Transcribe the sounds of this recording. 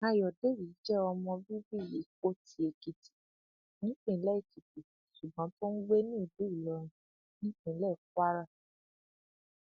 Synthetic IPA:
a˧jɔ˨de˨˦ɾi˨i˨˦d͡ʒɛ˦ɔ˧mɔ̃˧bi˦bi˦˨je˨˦ko˦tʰi˧e˧ki˧ti̥˦ | nĩ˦k͡pẽ˦˨˦lɛ˦i˨ki˨pu˨su˨bɔ̃˨˦to˦n̩˦we˦nĩ˦˨bu˨˦i˦˨lɔ˧˦ɾ̃ĩ˧ | nĩ˦k͡pẽ˧˨˦lɛ˦˨fwa˦ɾa˦˨

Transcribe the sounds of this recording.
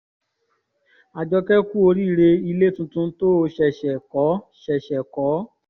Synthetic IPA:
a˨d͡ʒɔ˧kɛ˦ku˦o˧ɾi˦˨˧ɾe˧i˧le˦tũ˧tũ˧˦to˦˧ʃɛ˨ʃɛ˨kɔ˨˦ʃɛ˨ʃɛ˨kɔ˨˦

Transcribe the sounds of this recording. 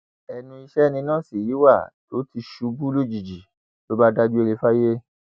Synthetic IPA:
ɛ˨nũ˧i˧ʃɛ˦nĩ˧nãː˦˨si˨ji˨˦wa˦˨to˨˦ti˧˦ʃu˧bu˦lo˦˨d͡ʒi˨d͡ʒi˨ | to˨˦ba˦da˦d͡ʒu˦e˧ɾe˧fa˦je˦

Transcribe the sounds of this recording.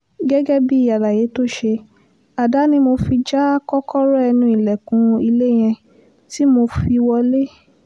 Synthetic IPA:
ɡɛ˦ɡɛ˦bi˦˨ja˨la˨je˨˦to˦ʃe˧ | a˨da˨˦nĩ˧mo˧fi˧d͡ʒa˦kɔ˦kɔ˦ɾɔ˦ɛ˧nũ˧i˨lɛ˨kũ˨˧˦i˧le˦j̃ɛ̃˧ | ti˦mo˧fi˧wɔ˧le˦

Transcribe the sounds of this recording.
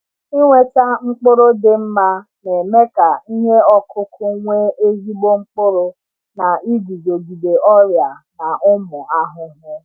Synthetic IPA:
i˦ŋʷe˦ta˦ŋ͡m̩˦k͡pʊ˦ɾʊ˦dɪ˨m̩˦ma˦ | ne˨me˦ka˨i˦ɲe˦ɔ˦kʰʊ˦kʊ˦ŋʷe˦e˦zi˦ɡ͡bo˦ŋ͡m̩˦k͡pʊ˦ɾʊ˦ | na˨ʔi˦ɡi˨zo˨ɡi˨de˨ʔɔ˦ɾja˨na˨ʔʊ˦mʊ˨a˦ɦʊ˨ɦʊ˦

